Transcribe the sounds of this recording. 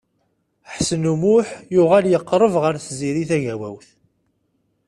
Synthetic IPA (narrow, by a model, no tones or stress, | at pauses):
ħsənumʊħjʊʁæljəqːɾˤəvʁəɾθziɾiθæʝæwæ̰wθ